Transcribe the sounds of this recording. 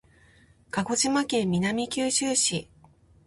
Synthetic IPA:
kaɡo̞ʑimakẽ̞mʲinamʲikʲɨːɕɨːɕi

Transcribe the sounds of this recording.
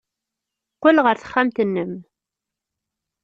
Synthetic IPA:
qːəlʁəɾθə̥χːæmt̪ənːəm

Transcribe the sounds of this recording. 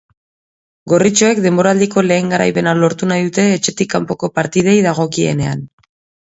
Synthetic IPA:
ɡo̞rit͡ʃo̞e̞kd̪e̞mbo̞ɾald̪iko̞le̞ːŋɡaɾa̰jpe̞nalo̞ɾt̪unajðut̪e̞ːt͡ʃe̞t̪ikampo̞ko̞paɾt̪ið̞e̞jðaɣ̞o̞kie̞̰ne̞a̰n

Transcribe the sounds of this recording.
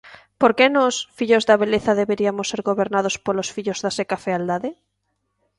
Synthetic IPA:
poɾkenɔsfiʎozðaβeleθaðeβeɾiamosːeɾɣoβeɾnað̞ospolosfiʎozðasekafeald̪aðe

